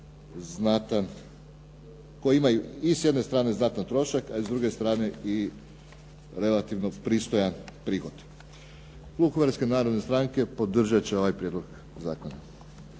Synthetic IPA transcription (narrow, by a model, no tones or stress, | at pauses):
znat̪an | kojiimajuisje̞d̪ne̞st̪ɾaːne̞znat̪ant̪ɾo̞ʃakaizd̪ɾuɡe̞st̪ɾaːne̞i | ɾe̞lat̪iʋno̞pɾiːst̪o̞janpɾiːxo̞d̪ | klˠukoʋeɾske̞naːɾod̪nest̪ɾaŋke̞po̞d̪r̩ʒat͡ɕeo̞ʋajpɾjed̪lˠoɡ | za̰ːkona